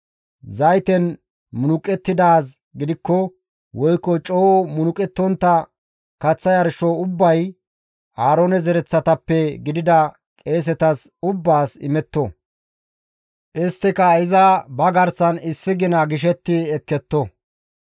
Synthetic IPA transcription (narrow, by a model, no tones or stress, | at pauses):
zɐjt̪ɛn | mʊnʊkʼɛt̪ːɪd̪aːs | ɡɪd̪ɪkːɔ | wɔjkːɔt͡ʃʼoːmʊnʊkʼɛt̪ːɔnt̪ːɐ | kɐt͡sːɐjɐɾʃɔʊbːɐj | aːɾoːnɛzɛɾɛt͡sːɐt̪ɐpːɛɡɪd̪ɪd̪ɐ | kʼe̞ːs̬ɛt̪ɐsʊbːaːsɪ̰mɛt̪ːɔ | ʔɪst̪ːɪkɐɪzɐbɐɡɐɾsɐnɪsːɪɡɪnɐɡɪʃ̬ɛt̪ːɪɛkːɛt̪ːɔ